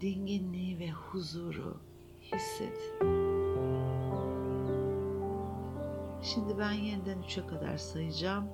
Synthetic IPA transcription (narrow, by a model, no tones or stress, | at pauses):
d̪̥iɲɟinlʲiːvɛhuzuːɾṵ | hisːɛ̰t̪ | ʃimd̪ibænjenid̪ænyt͡ʃʰɛkʰad̪a̰ɾsajɯd͡ʒaːm